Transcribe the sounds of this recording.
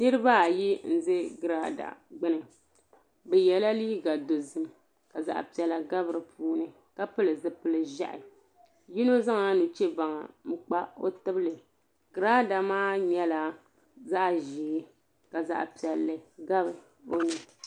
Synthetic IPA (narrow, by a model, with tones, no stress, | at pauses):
nɨ˦ɾɨ˦ba˦a˨ji˦n̩˦zɨ˦ɡɨ˨ɾa˦da̰˨ɡ͡bɨ˦nɨ˨ | bɛ˨jɛ˨la˦liː˦ɡa˨do˨zɨ˦m | ka˨za̰˨ʔpi˨ɛ˨la˨ɡa˦bɨ˨ɾɨ˨pʰuː˦nɨ˨ | ka˦pɨ˦lɨ˨zɨ˦pɨ˦lɨ˨ʒa̰˦ʔɪ̰˨ | ji˦no˦za˦ŋa˨nu˨t͡ʃɛ˦ba˨ŋa̰˨m̩˦k͡pa˦o̰˦tɨ˦blɨ˨ | ɡɨ˨ɾaː˦da˨maː˦ɲɛ˦la˨ | za˦ʔʒiː˨˦ | ka˨za̰˨ʔpi˨ɛ˨lːɨ˨ɡa˦bɨ˨ | o˦nɨ˨